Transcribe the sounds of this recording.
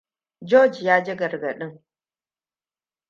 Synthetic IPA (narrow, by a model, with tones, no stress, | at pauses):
d͡ʒɔː˦d͡ʒjaː˦d͡ʒɪ˦ɡɐ˨ɾɡɐ˨ɗɪ˦ŋ